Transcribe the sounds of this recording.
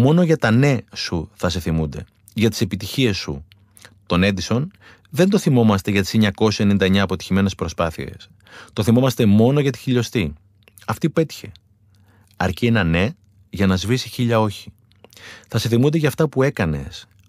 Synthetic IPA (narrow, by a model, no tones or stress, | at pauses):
mo̞no̞ʝɐt̪ɐne̞suθɐse̞θimund̪e̞̰ | ʝɐt̪i̥se̞pit̪içie̞sːṵ | t̪o̞ne̞nd̪iso̞n | ðe̞nd̪o̞θimo̞mɐst̪e̞ʝɐt̪i̥seɲɐko̞sisenind̪ɐeɲɐːpo̞t̪i̥çime̞ne̞spɾo̞spɐθḭe̞̰s | t̪o̞θimo̞mɐst̪e̞mo̞no̞ʝɐt̪i̥çiʎo̞st̪i | ɐft̪iue̞t̪i̥çe̞ | ɐɾcie̞nɐne̞ | ʝɐnɐzvisiçiʎɐo̞çi̥ | θɐse̞θimund̪e̞ʝɐːft̪ɐpue̞kɐne̞̰s